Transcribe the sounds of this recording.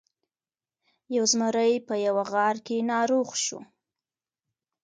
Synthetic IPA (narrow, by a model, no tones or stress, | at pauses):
jawzməɾəjpəjawaɣɑɾkenɑɾoɣʃṵ